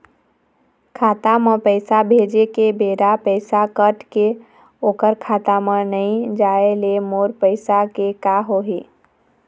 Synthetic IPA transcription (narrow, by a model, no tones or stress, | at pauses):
kʰat̪amə̃pəɪsabʱed͡ʒekebeːɾapəɪsakəʈke | oːkəɾkʰaːt̪amə̃nəĩd͡ʒaelemoɾpəɪsakekaɦoɦiː